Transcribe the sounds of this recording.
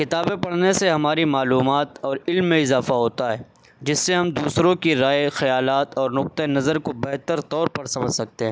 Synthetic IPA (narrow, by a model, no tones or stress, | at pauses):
kɪt̪aːbẽpɐɽneseɦɐmaːɾimaːluːmaːt̪ɔːɾɪlmːẽɪzaːfaɦoːt̪aɦɛː | d͡ʒɪsːeɦɐmd̪uːsɾõkiɾaːexɐjaːlaːt̪ɔːɾnʊq̚t̪enɐzəɾkobɛɦt̪əɾt̪ɔːɾpɐɾsɐməd͡ʒsɐk̚t̪eɦɛ̃ː